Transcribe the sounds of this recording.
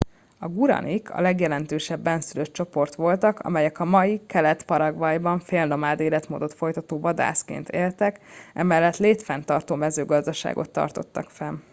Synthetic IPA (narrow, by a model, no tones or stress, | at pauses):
ɒɡuɾɒ̰nʔikʰɒ̰lɛɡjɛlɛnt̪øːʃɛbːɛnsyløtt͡ʃo̞po̞rt̪ʋo̞lt̪ɒkɒ̰mɛjɛkɒmɒjikɛlɛt̪pɒɾɒɡʋɒjbɒɱfeːlno̞maːd̪eːlɛt̪mo̰ːd̪o̞t̪fo̞jt̪ɒt̪oːvɒd̪a̰ːskḛːnt̪ḛːlt̪ɛkɛ̰mɛlːɛt̪leːt̪fɛnt̪ɒrt̪oːmɛzøːɡɒzd̪ɒʃa̰ːɡo̞̰t̪ːɒ̰rt̪o̞t̪ːɒkfɛn